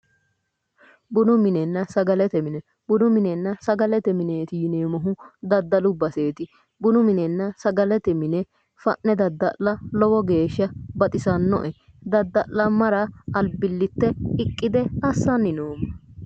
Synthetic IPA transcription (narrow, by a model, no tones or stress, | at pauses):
bʊnʊmɪnɛnːɐsɐɡɐlɛt̪ɛmɪnɛ | bʊnʊmɪnɛnːɐsɐɡɐlɛt̪ɛmɪneːt̪ɪjɪneːmɐɦʊd̪ɐd̪ːɐlʊbːɐse̞ːt̪ɪ | bʊnʊmɪnɛnːɐsɐɡɐlɛt̪ɛmɪnɛ | fɐʔnɛd̪ɐd̪ːɐlːɐlɔwɔɡe̞ːʃːɐbɐt̪ʼɪsɐnːɔ̰ʔɛ | d̪ɐd̪ːɐlːɐmɐɾɐɐlbɪlːɪt̪ːɛɪkʼːɪd̪ɛɐsːɐnːɪnoːmːɐ